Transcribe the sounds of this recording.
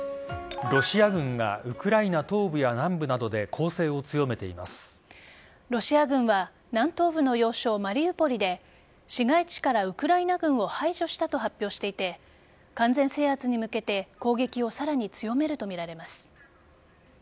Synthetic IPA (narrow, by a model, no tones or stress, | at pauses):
ɾo̞ɕiaɡɯ̟̃ŋɡa̰ɯ̟kɯ̟ɾainat̪o̞ːbɯ̟janãmbɯ̟nad̪o̞d̪e̞kʰo̞ːse̞ːo̞t͡sɨjo̞me̞t̪e̞ḭmasɨ̥ | ɾo̞ɕiaɡɯ̟̃ɰ̃βa | nãnt̪o̞ːbɯ̟no̞jo̞ːɕo̞ːmaɾʲiɯ̟po̞ɾʲid̪e̞ | ɕiɡait͡ɕi̥kaɾaɯ̟kɯ̟ɾainaɡɯ̟̃ɰ̃o̞haiʑo̞ɕi̥t̪at̪o̞ɦapʲːjo̞ːɕi̥t̪e̞it̪e̞ | kãnd͡zẽ̞ɰ̃se̞ːhat͡sɨɲ̟imɯ̟ke̞t̪e̞ko̞ːɡe̞kʲio̞saɾaɲ̟it͡sɨjo̞me̞ɾɯ̟t̪o̞mʲiɾaɾe̞masɨ̥